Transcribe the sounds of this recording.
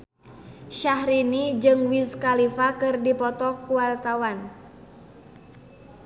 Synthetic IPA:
ʃahɾinid͡ʒɨŋwiskalifakɨrdipɔt̪ɔkuwart̪awan

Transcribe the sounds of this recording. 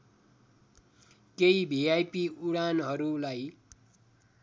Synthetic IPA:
kejbʱiajpiuɽanɦʌɾulaj

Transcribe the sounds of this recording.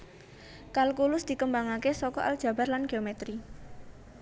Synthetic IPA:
kalkulʊsd̪̥i̤kəmbaŋakesɔkɔʔa̰l̥ʒ̥ä̤b̥a̤rlanɡ̥e̤omɛt̪ɾi

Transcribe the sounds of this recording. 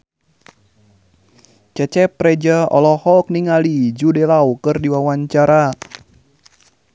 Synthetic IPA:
t͡ʃɛt͡ʃɛpɾɛd͡ʒaɔ̰lɔhɔlk̚niŋalid͡ʒudɛlawkɨrdiwawaɲt͡ʃaɾa

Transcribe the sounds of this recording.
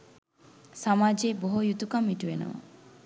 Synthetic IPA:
samaːd͡ʒeːboɦojut̪ukamːiʈuʋenə̰ʋə̰

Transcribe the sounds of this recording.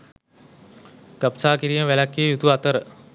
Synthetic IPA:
ɡ̥apsaːkiɾiməʋælakːeːjut̪uat̪əɾə

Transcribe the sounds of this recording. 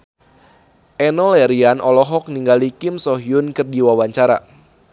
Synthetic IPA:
ʔɛnɔlɛɾianʔɔlɔɦɔk̚niŋɡalikɪmsɔɦiʊnkɨrdiwawaɲt͡ʃaɾa̰

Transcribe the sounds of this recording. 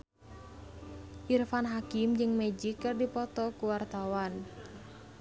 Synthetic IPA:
ʔirfanɦakɪmd͡ʒəŋmed͡ʒikːɨrdipɔt̪ɔkuwart̪awan

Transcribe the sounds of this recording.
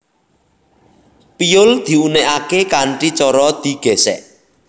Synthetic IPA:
pijʊld̪̥i̤uneʔakekaɳʈit͡ʃɔɾɔd̪̥i̤ɡ̥esɛ̰ʔ

